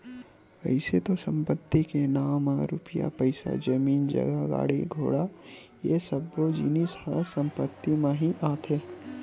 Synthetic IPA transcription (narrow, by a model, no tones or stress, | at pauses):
ɐ̰ɪset̪osə̃mpət̪ːikenaːmãɾuːpɪja̰pəɪsa̰d͡ʒəmiːnd͡ʒɐ̰ɡaɡa̰ːɽiɡʱo̰ːɽa | jesəbɡod͡ʒḭːnishə̰sə̃mpət̪ːimẽɦiʔaːt̪eː